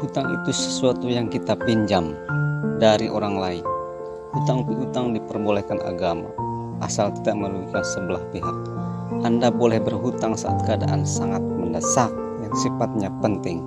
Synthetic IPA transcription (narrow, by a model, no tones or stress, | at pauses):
hut̪aŋḭt̪usə̥suat̪ujaŋkit̪apiɲd͡ʒamdaɾiʔoɾaŋlain | hut̪aŋp̪uɦut̪aŋdipərbolɛhkana̰ɡama̰ | ʔːsalt̪idaʔməɾuikansəbəlahpiɦak̚ | ʔandabolɛhbərɦut̪aŋsaa̰t̪̚kəada̰ʔansaŋat̪̚məndasak̚jaŋsifat̪̚ɲapənt̪ɪŋ